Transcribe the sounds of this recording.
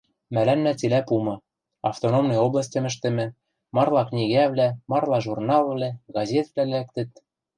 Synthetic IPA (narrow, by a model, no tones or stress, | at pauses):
mælænːæt͡silæpumɤ̆ | ɑft̪onomnɤjoblˠɑs̬ʲtʲɤ̆mɘ̆ʃ̬t̪ɘ̆mɘ̆ | mɑrlˠɑknʲiɣæβlæmɑrlˠɑʒurnɑlˠβlæɡɑzʲet̪vlælæk̚t̪ɘ̆t̪̚